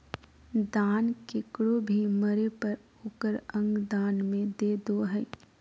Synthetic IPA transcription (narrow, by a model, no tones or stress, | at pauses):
d̪aːnkɪkɽobʱiməɾepəɾ | oːkəɾə̃ŋɡd̪aːnmẽd̪eːd̪oɦɛ̃ː